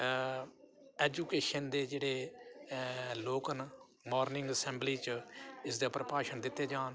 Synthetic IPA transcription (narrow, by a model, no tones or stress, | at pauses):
ɛːd͡ʒuːkeːʃənd̪eːd͡ʒeːɽeː | loːkən | moːɾnɪ̃ŋɡəsɛːmbliːt͡ʃɪsd̪aːpɾəpaːʃənd̪ɪt̪ːeːd͡ʒaːn